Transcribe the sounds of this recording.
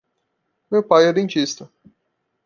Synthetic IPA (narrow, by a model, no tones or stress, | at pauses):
mewpajɛd̪ẽnt͡ʃist̪ɐ